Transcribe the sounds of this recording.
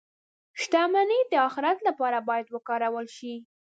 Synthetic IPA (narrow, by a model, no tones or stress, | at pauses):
ʃt̪amaned̪əɑxɪɾat̪lapɑɾabɑjad̪wəkɑɾawəlʃi